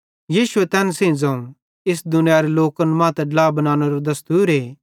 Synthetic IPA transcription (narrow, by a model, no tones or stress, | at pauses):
jiːʃuɛt̪ɛːnsẽĩd͡zãːũ | ɪs̬d̪ʊnɪjaɾeloːkɐnmãːt̪ɛɖlaːbɐnaːñoɾod̪ɐst̪uːɾɦeː